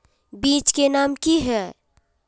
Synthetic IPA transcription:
biːt͡ʃkenaːmkiɦɛ

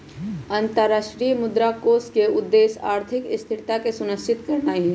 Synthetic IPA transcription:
ənt̪əɾːaːʃʈɾijəmʊd̪ɾakoːskeʊd̪ːeːsa̰ːɾt̪ʰɪkɪst̪ʰɪʈt̪akesʊnəst͡ʃɪt̪kɐɾnaːiɦɛ̃

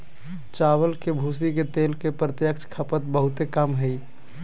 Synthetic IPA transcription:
t͡ʃaβəlkebʱus̬iket̪elkepɾət̪jəkt͡ʃʰkʰəpət̪̚bəɦut̪ekəmɦəi

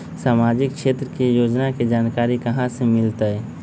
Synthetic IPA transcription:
saːmaːd͡ʒɪkʃeːt̪ɾəkijoːd͡ʒnakid͡ʒaːnkaːɾikɐɦãsemɪlt̪aɛ

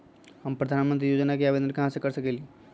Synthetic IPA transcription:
ɦəmpɾəd̪ʱanmənt̪ɾijod͡ʒnakeabed̪ənkəɦãsekəɾsəkɛli

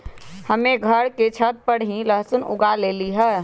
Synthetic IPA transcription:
həmeɡʱəɽket͡ʃʰət̪̚pəɽɦĩləɦsʊnʊ̰ɡaleːliɦɛː

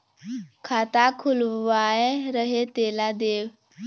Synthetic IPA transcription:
kʰat̪akʰulʋaeɾəɦet̪elad̪eʋ

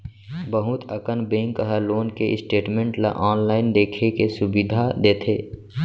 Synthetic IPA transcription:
bəɦʊt̪əkənbẽːŋkəɦəloːnkeɪ̰sʈeːʈmẽɳʈla̰ʔɔːnlaːɪnd̪eːkʰekesʊbid̪ʱad̪eːt̪ʰeː

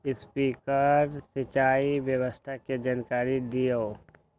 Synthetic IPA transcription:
ɪspiːkəɾsɪt͡ʃaːibjəwəst̪ʰaked͡ʒaːnkaːɾid̪ijo

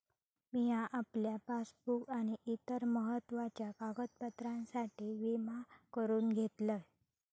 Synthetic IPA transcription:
miɦãʔapljapasbukaɽ̃iʔit̪əɾməɦət̪ʋat͡ɕjakaɡət̪̚pət̪ɾãnsaʈiːʋimakəɾuːnɡʱet̪lə

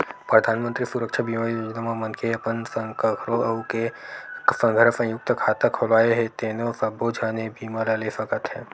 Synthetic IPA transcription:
pɾɐd̪ʱaːnmə̃nt̪ɾisuɾəkʃʰabiːmaːɾiod͡ʒnamamɐnkʰeɐpənsəŋkəkʰɾoʔɐuke | sə̃ŋɡʱəɾəsə̃jʊk̚t̪əkʰaːt̪əkʰolaːjeɦet̪eːnosɐboːd͡ʒʱaːnebiːmalalefɐkət̪ɦɛ̃ː

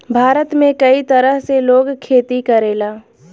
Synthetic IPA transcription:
bʱaːɾət̪mẽkɐit̪ɐɾəɦseloːɡkʰeːt̪ikɐɾeːlaː

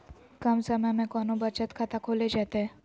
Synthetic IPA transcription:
kəmsəməmẽkɔːnobət͡ʃət̪kʰat̪akʰoːled͡ʒaːt̪eɦɛ

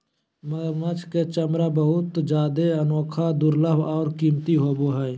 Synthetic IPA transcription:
məɡəɾmət͡ʃʰket͡ʃəmɾabəɦʊt̪d͡ʒaːd̪eənoːkʰad̪uɾləbɔːɾkiːmt̪iɦoːboɦɛj

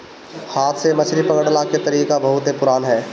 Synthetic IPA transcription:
haːt̪ʰsemɐt͡ʃʰɾipɐɡəɽlaket̪ɐɾiːkabɐɦʊt̪ɦepʊɾaːnɦɛː

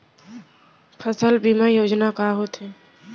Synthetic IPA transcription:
pʰəsəlbimajoːd͡ʒnakaɦot̪ɦɛ̃ː

